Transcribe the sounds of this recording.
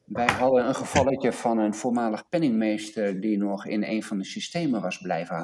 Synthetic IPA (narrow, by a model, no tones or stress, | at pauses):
ʋɛjɦɑdənənχəv̥ɑlˠəcəvɑnənvʊːɹmaːləχpɛnɪŋmejstəɹdinɔχɪ̰nḛjnvɑndəsistejməʋɑzblɛjvənɦa